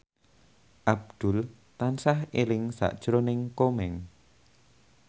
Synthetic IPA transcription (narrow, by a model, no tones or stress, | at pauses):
ʔab̚d̪̥ʊ̤l | t̪ansahelɪŋsa̰ʔd̥ʒ̥ɾonɪŋkomɛŋ